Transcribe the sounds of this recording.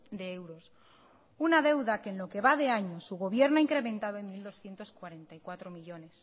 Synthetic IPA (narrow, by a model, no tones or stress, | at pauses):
d̪e̞e̞wɾo̞s | unaðe̞wðakenlo̞ke̞βað̞e̞aɲosuɣ̞o̞β̞je̞ɾnoaiŋkɾe̞mẽ̞nt̪að̞oenmild̪o̞sθjent̪o̞skwaɾe̞nt̪ajkwat̪ɾo̞miʎo̞ne̞s